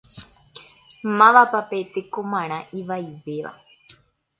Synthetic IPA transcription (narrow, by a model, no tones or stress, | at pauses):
mãʋapapet̪ekõmãɾ̃ãʔiʋajʋeʋa̰